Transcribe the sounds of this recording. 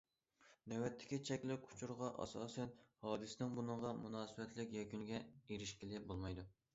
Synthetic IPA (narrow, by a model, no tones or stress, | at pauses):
d̪ɛwɛt̪ʰːɪ̥kʲit͡ʃʰɛkʲlɪkʲʰu̥t͡ʃʰuɾʁɑʔɑ̰sɑ̰ːsɛnhɑːd̪ɨsɪnɪŋbunɨɴʁɑmunɑːsɨbɛt̪ʰlɪkʲjɛkʲyŋɡʲɛeɾɪʃkʲilɪbolˠmɑjd̪u